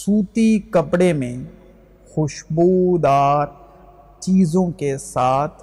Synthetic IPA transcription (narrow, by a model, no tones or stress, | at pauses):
suːt̪ikɐpɽemẽ | xʊʃboːd̪aːɾ | t͡ʃiːzõkesaːt̪ʰ